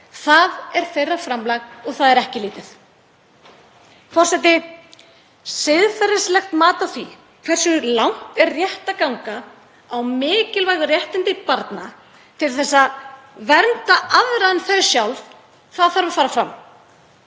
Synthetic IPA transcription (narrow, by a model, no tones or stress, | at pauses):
θaðɛɾ̥θejrːafɾamlaɣɔɣθaðɛɾɛhcɪliːt̪ɪθ | fɔr̥sɛt̪ɪ | sɪðfaɾɪslɛxt̪maːt̪aθvi | kʰvɛrsʏlawŋ̥t̪ɛrrjɛht̪akawŋkaː | wmɪːcɪlvaːjɣʏrjɛht̪ɪnt̪ɪpaɾt̪na | t̪ʰɪlθɛsːavɛɾnt̪aʔaðɾaɛnθɛsjawlv | θaðθaɾvafaːɾafɾa̰mː